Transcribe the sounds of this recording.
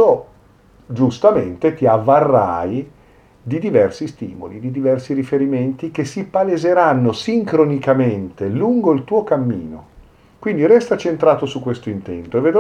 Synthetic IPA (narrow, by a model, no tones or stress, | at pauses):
o | d͡ʒust̪ament̪et̪iavːarːa̰j | d̪id̪ivɛrsist̪iːmo̰lid̪id̪ivɛrsiɾifeɾiment̪ik̟esipalezeɾanːosiŋkɾonikament̪eluŋɡoilt̪uːokamːiːno | kwind̪iɾɛst̪at͡ʃent̪ɾaːt̪osukːwest̪oint̪ɛnt̪oevːed̪